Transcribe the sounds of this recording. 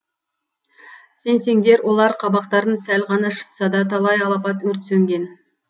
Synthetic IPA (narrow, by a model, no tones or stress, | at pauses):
se̞nse̞ŋd̪e̞ɾwʔo̞lˠɑɾqʰɑbɑqt̪ɑɾənsælʁɑnɑʃə̥t̪sɑd̪ɑt̪ʰɑlˠɑjɑlˠɑpɑt̪wɵɾt̪sɵŋɡʲe̞n